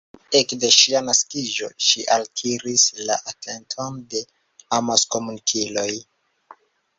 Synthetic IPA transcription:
ekde̞ʃianaskid͡ʒo̞̰ʃiʔaltʰiɾislaʔatʰe̞ntʰonde̞ | amaskomunikʰilo̞j

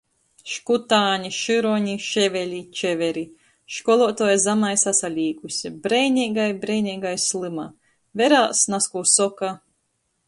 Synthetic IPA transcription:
ʃkut̪aːɲiʃɨɾɔɲiʃɛvɛlʲit͡ʃɛvɛɾi | ʃkɔlˠɔt̪ɔjzamajsasalʲiːkusʲibɾɛjnʲiːɡajbɾɛjnʲiːɡajslˠɨma | vʲɛɾaːsnaskuːsɔka

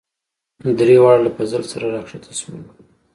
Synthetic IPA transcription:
d̪ɾewɑɽlapazəlsaɾaɾɑkʂet̪ʰasmḭm

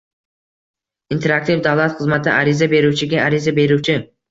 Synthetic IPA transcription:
int̪ʰe̞ɾak̚t̪ivd̪avlˠat̪χɨzmat̪ʰɪʔaɾɪzabe̞ɾuwt͡ʃʰɪɡʲaaɾɪzabe̞ɾut͡ʃʰɪ

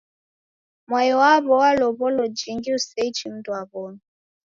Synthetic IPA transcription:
mwajɔwaβɔwalɔβɔlɔd͡ʒiŋɡiusɛit͡ʃim̩dwaβɔnɔ

